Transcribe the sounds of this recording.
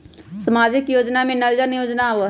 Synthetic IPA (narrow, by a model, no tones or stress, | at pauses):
səmaːd͡ʒɪkjoːd͡ʒnamẽnəld͡ʒənjoːd͡ʒnaʋ